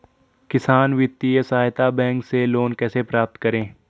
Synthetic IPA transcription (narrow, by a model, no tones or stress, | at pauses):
kɪsaːnʋɪt̪ːiesaːjt̪abɛ̃ːŋkseloːnkɛːsepɾaːp̚t̪kɐɾẽː